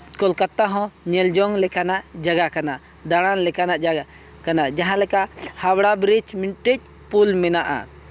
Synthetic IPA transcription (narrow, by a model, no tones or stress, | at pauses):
kɔlkat̪ːaɦɔ̃ɲɛld͡ʒɔŋlɛkanaʔd͡ʒaɡakanaʔ | d̪aɽ̃anlɛkanaʔ | kanaʔd͡ʒaɦãlɛkaʔhabɽabɾit͡ʃminʈit͡ʃ̚ | pulmɛnaʔa̰